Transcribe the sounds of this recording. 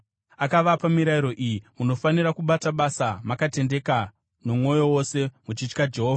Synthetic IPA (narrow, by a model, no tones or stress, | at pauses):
akaʋapamiɾaiɾo̞ʔijimuno̞faniɾakuɓataɓasamakate̞nde̞ka | no̞mwo̞jo̞wo̞se̞mut͡ʃit͡ʃkad͡ʒe̞ɦoːva